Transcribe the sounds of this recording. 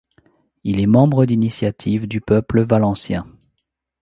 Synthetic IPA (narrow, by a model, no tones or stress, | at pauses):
ilɛmɑ̃bʁəd̪inisjat̪ʰivd̪ypœpləvalɑ̃sjɛ̃